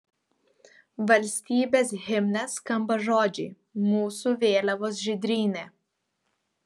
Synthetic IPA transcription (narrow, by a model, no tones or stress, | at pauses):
ʋɐlʲsʲt̪ʲiːbʲeːsɣʲɪmʲnʲɛskɐmbɐʒoːd͡ʒʲḭː | muːsuʋʲeːlʲɐʋoːs̬ʒʲɪd̪ʲɾʲiːnʲeː